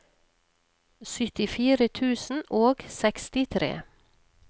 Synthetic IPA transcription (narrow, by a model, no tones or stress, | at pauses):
sʏt̪ɪfiːɾət̪ʰʉːsn̩ʔoːɡsɛkst̪ɪt̪ʰɾḛː